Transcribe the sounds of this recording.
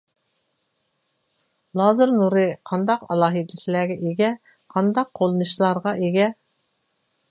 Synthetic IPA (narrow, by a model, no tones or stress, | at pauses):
lˠɑːzɨɾnuɾɨqʰɑnd̪ɑqɑ̰lˠɑːɦid̪ɨlɪkʲlæːɡʲɛʔeɡʲɛ | qʰɑnd̪ɑqʰːolˠɨnɨʃlˠɑɾʁɑʔeɡʲɛ